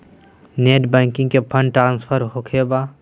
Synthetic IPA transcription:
neːʈbɛ̃ːŋkɪ̃ŋɡkepʰə̃ɳɖʈɾãːnspʰəɾɦokʰebaː

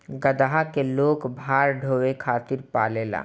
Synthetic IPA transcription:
ɡəd̪aɦakeloːkbʱaːɾɖʱoːwekʰaːt̪ɪɾpaːleːla̰ː

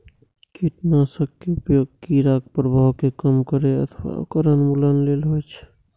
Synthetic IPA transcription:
kiʈnasəɡ̚keupjoɡ̚kiɾak̚pɾəbʱawkekəmkəɾeə̰t̪ʰwa̰kəɾənmulənleːlɦojt͡ʃʰ

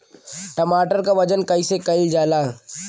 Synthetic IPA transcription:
ʈɐmaːʈəɾkaʋɐd͡ʒənkɐisekɐɪld͡ʒaːlaː

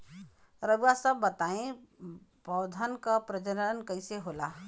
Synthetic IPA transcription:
ɾəbuasəbːət̪aẽ | bɔwd̪ʱənkəpɾəd͡ʒəɾənkəjseɦola

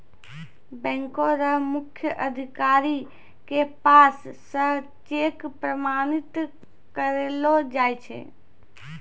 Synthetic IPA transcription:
bɛ̃ŋkoɾəmukʰːjəʔəd̪ʱikaɾi | kepasː | ə̃t͡ʃekpɾəmanit̪ | kəɾelod͡ʒajt͡ʃʰɛ̰

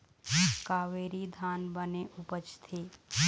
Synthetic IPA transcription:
kaːʋeːɾid̪ʱaːnbəneʔʊpət͡ʃt̪ʰeː

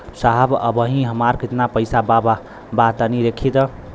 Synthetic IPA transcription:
saɦbə̰bəɦĩɦəmaɾkit̪napəjsabab | bat̪əniɾekʰit̪

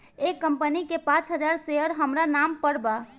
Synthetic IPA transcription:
ekːəmpənikepãt͡ʃɦəd͡ʒaɾseəɾɦəmɾanampəɽba

